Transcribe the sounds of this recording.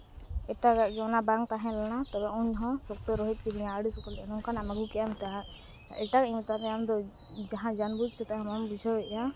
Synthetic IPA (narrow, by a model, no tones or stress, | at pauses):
ɛʈaɡaʔɡɛɔnabaŋ̚t̪aɦɛ̃lanat̪ɔbɛuɲɦɔ̃sɔk̚t̪ɔɾɔɦit̪̚ˀkinijãːɽisuk̪ɔlɛʔanɔnkanamaɡukɛjamt̪aɦã | ɛʈakimt̪aɾɛamd̪ɔ | d͡ʒaɦãd͡ʒanbud͡ʒt̪ɛt̪aɦɛmambid͡ʒʰɔbɛʔja